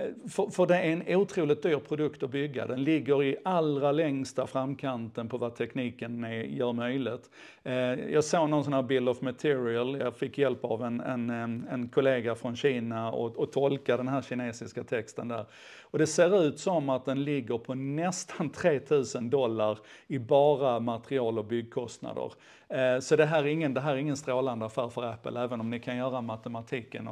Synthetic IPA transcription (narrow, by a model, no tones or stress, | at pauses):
fəfœɖɛæɾɛnuːt̪ʰɾuːlɪt̪̚d̪yːɾpʰɾʊd̪ɵkt̪ɔbʏɡːa̰d̪ɛnlɪɡːəɾɪʔalɾalɛŋst̪afɾamːkʰant̪ənpʰɔvat̪ʰɛkniːkənɛjœːɾmœjlɪt̪ | jɑːɡsoːnɔnsɔnhæːɾbɪld̪ɔvmat̪ʰɪːɾɪəljɑːfɪkːjɛlpavɛnɛnɛnkʰʊleːɡafɾɔnɕiːnaɔ̰ɔt̪ʰɔlkad̪ɛnɦæːɾɕɪneːsɪskat̪ʰɛkst̪ənd̪æ̰ːɾ | ɔd̪ɛseːɾʉ̟ːt̪sɔmat̪̚d̪ɛnlɪɡːəɾpʰɔnɛst̪ʰant̪ʰɾeːt̪ʰʉ̟ːsənd̪ɔlːaɾɪbɑːɾamat̪ɾɪɑːlɔbʏɡ̚ːkʰɔst̪na̰d̪ə̰ɾ | sɔd̪ɛɦæːɾæɾɪŋːənd̪ɛɦæːɾæɾɪŋːənst̪ɾoːland̪əafæːɾfœɾæpːə̰lɛːvənɔmnɪkʰanjœːɾamat̪ɛmat̪ʰiːkːən